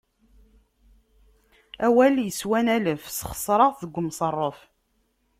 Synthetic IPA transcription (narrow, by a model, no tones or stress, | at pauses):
æwæljəswænæləfsχə̥sˤɾˤɑʁθəɡʷːmsˤərˤːəf